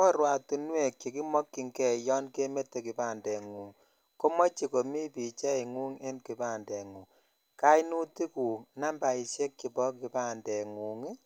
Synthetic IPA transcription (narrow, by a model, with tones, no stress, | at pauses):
kɔ˦ɾwa˨tu˨nwe˦˨kji˨ki˦mɔ˦kːi˨ŋkɛ˦˨jɔ˦nke˦me˦te˨ki˨pa˦˨ndɛ˨ŋu˨ŋ | ko˦mɔ˦t͡ʃi˨ko˨mi˦pi˨t͡ʃɛ˦i˨ŋu˦ŋe˦nki˨pa˦˨ndɛ˨ŋu˨ŋ | ka˦inu˦ti˦ku˨na˦mba˨i˨ʃje˦kːi˨bɔ˦ki˨pa˦ndɛ˨ŋu˨ŋi˦